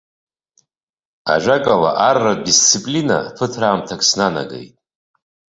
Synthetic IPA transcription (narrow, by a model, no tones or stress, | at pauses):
a̰ʒʷakʼala̰ʔarːadist͡sʰipʼlina̰pʰɨtʰraːmtʰakʼʰsnana̰ɡḛjtʼ